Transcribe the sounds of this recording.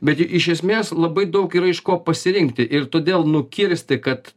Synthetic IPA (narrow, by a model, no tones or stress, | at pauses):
bʲɛt̪ʔɪʃʲɛsʲmʲeːslˠɐbɐɪd̪ɐʊkiɾɐɪʃkoːpɐsʲɪɾʲɪŋkt̪ʲɪʔɪɾt̪oːd̪ʲeːlˠnʊkʲɪɾʲsʲt̪ʲɪkɐt̪